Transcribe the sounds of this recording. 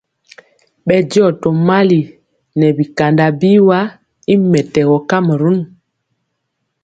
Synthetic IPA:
ɓɛ˨dɔ˦˨tɔ˨ma˦li˨ | nɛ˨bi˨ka˨nda˨bi˦wa˦ | i˦mɛ˨tɛ˨ɡɔ˨ka˦mə˨ɾu˦n

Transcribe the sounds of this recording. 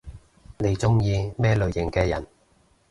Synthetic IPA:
ne˨˧jt͡sʊ˥ŋjiː˧mɛː˥lɵ˨˧ɥjɪ˨˩ŋkɛː˧jɐ̰˨˩n

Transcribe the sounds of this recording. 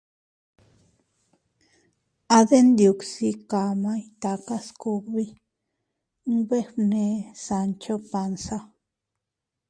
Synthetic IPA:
a˧d̪e˦nd̪ju˨ksi˧ka˨ma˦jt̪a˧ka˦sku˧kbi˦ | ŋbe˦bne˧sa˧nt͡ʃo˦pa˧nsa˦

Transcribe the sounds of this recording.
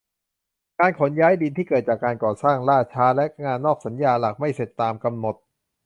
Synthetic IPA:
kaː˧nkʰo˩˦njaː˦˥jdi˧nt̪ʰiː˥˩kɤː˨˩t̪̚t͡ɕaː˨˩kːaː˧nkɔː˨˩saː˥˩ŋɾaː˥˩t͡ɕʰaː˦˥lɛ˦˥ʔŋaː˧nːɔː˥˩k̚sa˩˦njaː˧la˨˩k̚ma˥˩jse˨˩t̪ːaː˧mka˧mno˨˩t̪̚

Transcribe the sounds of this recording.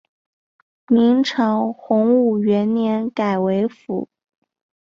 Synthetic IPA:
mi˧˥ŋʈ͡ʂʰɑ˧˥ŋxʊ˧˥ŋu˥˩ɥɛ˧˥nnjɛ˧˥nka˨˩ɪwe˧˥ɪfṵ˧˥˦

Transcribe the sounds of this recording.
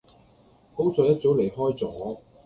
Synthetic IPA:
ko˥wt͡sɔː˨˧jɐ˥t̚t͡so˨˥wle˨˩jɦɔː˥jt͡sɔː˨˥˦

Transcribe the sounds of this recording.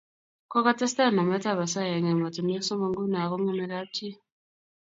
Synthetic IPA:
ko˦ka˦te˦sta˦˨na˨me˦ta˦˨βa˨sa˦˨je˨ŋe˨ma˨tu˨me˦so˦mo˨ŋɡu˦na˨ɣo˦ŋe˦me˨ɾa˦ti˦

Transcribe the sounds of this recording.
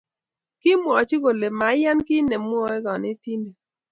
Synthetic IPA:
kɪ˦mwɔ˨t͡ʃi˦ko˨le˨ma˨˦ja˦nkɪ˦ne˨mwɔ˦ɛ˦ɡɔ˨nɪ˦ti˦nde˨

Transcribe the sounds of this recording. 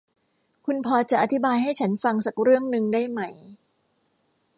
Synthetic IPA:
kʰu˧npʰɔː˧t͡ɕa˨˩ʔa˧t̪ʰi˦baː˧jɦa˥˩jt͡ɕʰa˦nfa˧ŋsa˨˩k̚ɾɯ˥˩əŋnɯ˧ŋdaː˥˩jma˦˥˩j

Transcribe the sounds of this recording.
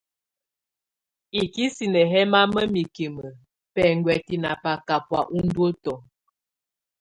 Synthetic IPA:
i˨ki˦si˨nə˨ɦɛ˦ma˦mə˦mi˨ki˨mə˨ | pɛ˨ŋɡwɛ˨ti˨na˨pa˨ka˨pwa̰˨ʔu˦n̩˦dwo˦tɔ˨

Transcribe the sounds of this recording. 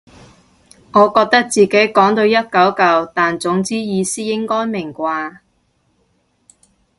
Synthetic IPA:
ŋɔː˨˧kɔː˧k̚t̪ɐ˥k̚t͡siː˨ke˨˥jkɔː˨˥ŋt̪o˧wjɐ˥t̚kɐ˨˥wkɐ˨˧wt̪aː˨nt͡sʊ˨˥ŋt͡siː˥jiː˨˧siː˥jɪ˥ŋkɔː˥jmɪ˨˩ŋkʷaː˧

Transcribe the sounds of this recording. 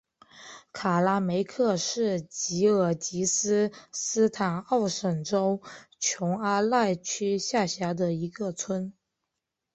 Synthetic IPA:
kʰa˨˩la˥me˧˥ɪkʰɤ˥˧ʂɻ̩˥˩t͡ɕi˧˥ə˨˩t͡ɕi˧˥sɹ̩˥sɹ̩˥t̪ʰa˨˩nɑ˥˩ʊʂə˨˩ŋʈ͡ʂo˥ʊt͡ɕʰjʊ˧˥ŋa˥la˥˩ɪt͡ɕʰy˥ɕja˥˩ɕja˧˥d̪ə˧i˧˥ɡə˧t͡sʰwə˥n

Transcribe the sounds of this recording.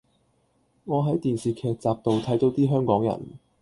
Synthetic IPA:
ŋɔː˨˧ɦɐ˨˥jt̪iː˨nsiː˨˩kʰɛː˧k̚t͡saː˨p̚t̪o˨wt̪ʰɐ˨˥jt̪o˨˥wt̪iː˥ɦœː˥ŋkɔː˨˥ŋjɐ̰˨˩n

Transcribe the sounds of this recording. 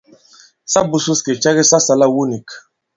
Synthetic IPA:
sa˦bu˨su˦ske˨t͡ʃa˦ɣi˦sa˦sa˨la˦wu˦ni˨k

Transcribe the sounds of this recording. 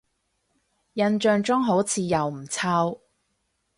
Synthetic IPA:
jɐ˧nt͡ʃœː˧ŋt͡ʃʊ˥ŋɦo˨˥wt͡sʰiː˨˧jɐ˨wm̩˨˩t͡sʰaː˧˥w

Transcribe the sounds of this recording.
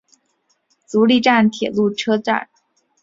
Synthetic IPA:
t͡su˧˥li˥˧ʈ͡ʂa˥˩nt̪ʰjɛ̰˨˩lu˥˩ʈ͡ʂʰɤ˥ʈ͡ʂa̰˥˩n

